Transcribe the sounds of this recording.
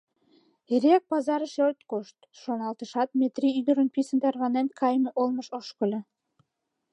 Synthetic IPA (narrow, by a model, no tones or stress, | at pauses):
eɾeæk̚pɑzɑɾəʃørt̪koʃt̪ʃonɑlt̪əʃɑt̪̚mʲet̪riyd̪ə̆ɾənpisənt̪ærβɑnenkʰɑjmeʔolməʃoʃkə̆lʲĕ